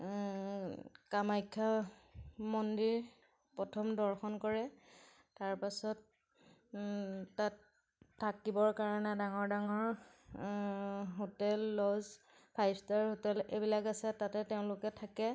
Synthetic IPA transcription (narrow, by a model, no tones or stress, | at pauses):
kamajkʰːa | mɔndiɹ | pɔtʰɔmdɔɹxɔnkɔɹɛ | taɹpasɔt | atʰː | akibɔɹkaɹɔnɛdaŋɔɹdaŋɔɹ | ɦotɛlːɔz | pʰajstaɹhotɛlebilakasɛtatɛteʊ̃lʊkɛtʰakɛ